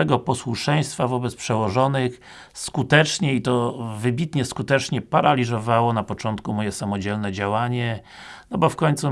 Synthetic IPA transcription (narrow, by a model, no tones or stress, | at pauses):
ɛɡɔpɔswuʂɛj̃st̪favɔbɛt̪spʂɛwɔʐɔnɘx | skut̪ɛt͡ʂɲɛit̪ɔvɘbʲit̪ɲɛskut̪ɛt͡ʂɲɛpaɾalʲizɔvawɔnapɔt͡ʂɔnt̪kumɔjɛsamɔd͡ʑɛlnɛd͡ʑawaɲɛ | nnɔbɔfkɔɲt̪su